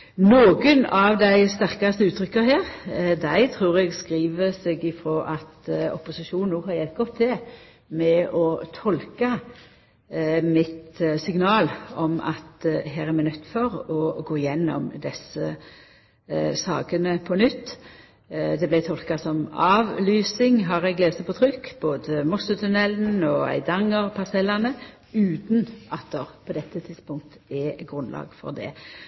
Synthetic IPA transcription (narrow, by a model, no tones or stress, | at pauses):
noːɡənɑʋd̪æɪst̪æʁkɑst̪əʉːt̪ʰɾʏkːəhæːʁd̪æɪt̪ʰɾuːʁɛɡskʁiːʋəsɛɡɪfɾoːʔɑt̪ɔ̰pʊsɪʃuːnnuːhɑɾjɛlt̪̚ɡɔt̪ʰːɪ | mɛɔt̪ʰɔlkɑ | mɪt̪sɪŋnɑːlɔmɑ̰t̪ɦæːɾɛmæɪnœt̪ːfɔɾɔɡoːɪjɛnːɔ̰md̪ɛsːə | sɑ̰ːkənəpʰɔnʏt̪ː | d̪ɛblæɪt̪ʰɔlkɑsɔmɑːʋlyːsɪŋɦɑʁæɡleːsəpɔt̪ʰʁʏkːb̥oːd̪əmʊsʊt̪ʰʉnɛln̩ɔæ̰ɪd̪ɑŋːəʁpʰɑsɛlɑnə | ʉːt̪nʔɑt̪̚d̪ɛʁpʰɔd̪ɛt̪ːət̪ʰɪ̥spʊŋk̚t̪ɛɡɾʉnlʔɑ̰ːɡfɔ̰ʁd̪ɛ̰